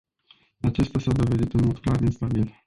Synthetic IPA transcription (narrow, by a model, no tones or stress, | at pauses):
at͡ʃe̞st̪ʲasawd̪o̞ve̞d̪it̪ɨnmo̞d̪klarinst̪abil